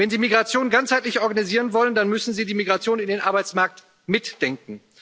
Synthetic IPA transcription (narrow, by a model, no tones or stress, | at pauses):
vɛnziːmiɡʁat͡sjoːnɡant͡shaɪtlɪçʔɔɐɡaniziːʁənvɔləndanmʏsn̩ziːdiːmiɡʁat͡sjoːnɪndeːnʔaɐbaɪt͡smaɐk̚t | mɪtd̥ɛŋk̚ŋ̩